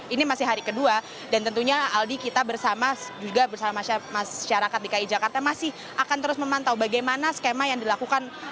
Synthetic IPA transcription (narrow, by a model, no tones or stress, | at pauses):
inimasɪhɦaɾikədua | dant̪ənt̪uɲaaldikit̪abərsamad͡ʒuɡabərsamamaamaʃaɾakat̪̚dikaid͡ʒakart̪amasɪh | akant̪əɾʊsməmant̪awbaɡajmanasə̥kemajaŋdilakukan